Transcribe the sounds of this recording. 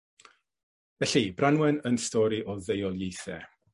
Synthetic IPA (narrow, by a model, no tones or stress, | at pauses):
vɛɬibranwɛnənstɔːɾiʔɔðejɔlˠjejθɛ̰